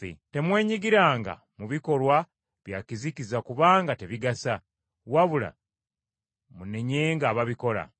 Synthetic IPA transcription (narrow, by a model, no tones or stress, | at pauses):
ḛte̞mwe̞ːɲiɡiɾaːŋɡa̰ | muβiko̞lwa | βjakizikizakuβaːŋɡate̞βiɡasa | waβula̰ | mune̞ɲe̞ːŋɡaːβaβiko̞la̰